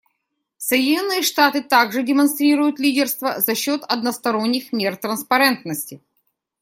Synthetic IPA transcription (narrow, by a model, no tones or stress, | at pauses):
səjɪdʲɪnʲo̞nːɨjəʂt̪at̪ɨt̪aɡʐɨdʲɪmɐnst̪ɾʲiɾʊjʊt̪lʲidʲɪrst̪vəzɐɕːo̞t̪ɐd̪nəst̪ɐɾo̞nʲːɪxmʲe̞rt̪ɾənspɐɾɛnt̪nəsʲtʲɪ